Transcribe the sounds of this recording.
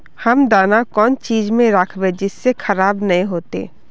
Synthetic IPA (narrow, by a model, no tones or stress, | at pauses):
hɐmd̪aːnakɔːnt͡ʃiːzmẽɾəkʰbẽd͡ʒɪsːexʰɐɾaːbnɐɦĩɦoːt̪ḛː